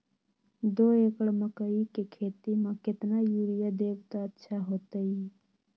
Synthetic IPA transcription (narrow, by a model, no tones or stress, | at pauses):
d̪oekəɽməkəikekʰet̪imeket̪najuɾijad̪ebt̪ɔətːʃʰaɦoːt̪əj